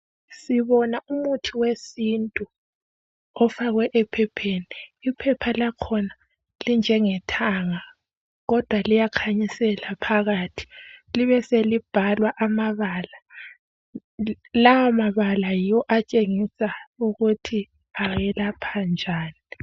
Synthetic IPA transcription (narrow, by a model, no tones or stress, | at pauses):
siβɔnaumutʰiwesintʼu | ɔfaɣwɛʔɛpʰɛpʰeniːpʰɛpʰalakʰɔna | lind͡ʒʱɛŋɛtʰaŋa | ɣɔd̥ʱwalijakʰaɲisɛlapʰaɣaːtʰi̥liβɛselib̥ʱalwaʔamaβala | lawamaβalajijɔʔat͡ʃʼeŋisauɣutʰi | aɣɛlapʰand͡ʒʱaːni